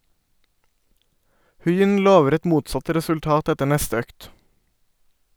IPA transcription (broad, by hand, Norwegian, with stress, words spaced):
ˈhʉɪʏn ˈloːʋəɾ ˈɛt ˈmuːtsɑt ˌɾɛsʉlˈtɑːt ˈɛtə ˈɳɛstə ˈøːkt